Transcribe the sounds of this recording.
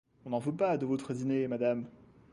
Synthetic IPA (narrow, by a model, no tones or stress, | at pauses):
ɔ̃nɑ̃vøpad̪əvot̪χəd̪inemad̪am